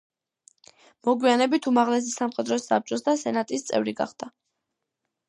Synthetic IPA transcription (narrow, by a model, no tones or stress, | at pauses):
mɔɡwianɛbit̪ʰumaʁlɛs̬isamχɛd̪ɾɔsa̰p̚t͡ʃʼɔsd̪asɛnat̪ʼist̪sʼɛ̰vɾiɡa̰χd̪̥a